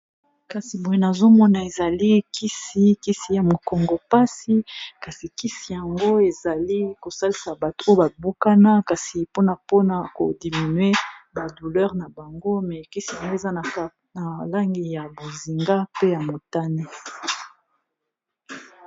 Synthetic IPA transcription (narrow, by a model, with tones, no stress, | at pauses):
ka˨si˨mo˨je˨na˨zo˦mɔ˦na˨e˨za˨li˦kʰi˦si˦ki˦si˨ja˨mo˨kɔ˨ŋɡo˨pa˦si˦ka˨si˨ki˦si˨ja˨ŋɡo˦e˨za˨li˦ko˨sa˦li˨sa˨ba˨tu˨o˦jo˦ba˨bu˦ka˦na˦ka˨si˨po˦na˨po˦na˨ko̰˨di˨mi˨nɥe˦ba˨du˨lɛ˦ʁna˨ba˨ŋɡo˦mɛ˨ki˦si˨ja˨ŋɡo˦e˨za˦na˨a˦ | na˨la˦ŋɡi˨ja˨bo˨zi˨ŋɡa˦pe˦ja˨mo˨ta˦ni˦